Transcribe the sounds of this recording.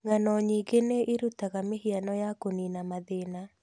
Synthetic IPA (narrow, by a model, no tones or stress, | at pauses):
ŋanɔɲiɡeneʔiɾutaɣamehianɔjakoninamaðena